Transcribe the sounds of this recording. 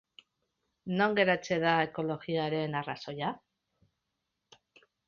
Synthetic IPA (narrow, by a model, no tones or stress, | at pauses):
no̞ŋɡe̞ɾat͡se̞ðae̞ko̞lo̞ɣiaɾe̞naraso̞ja